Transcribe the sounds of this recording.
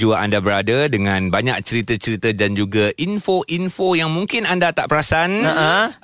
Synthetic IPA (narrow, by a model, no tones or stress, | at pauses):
d͡ʒuaʔandabəɾadadəŋãnbaɲak̚t͡ʃəɾit̪ət͡ʃəɾit̪ədand͡ʒuɡaʔinfoʔinfojaŋmuŋkɪnandat̪aʔpəɾasanəʔə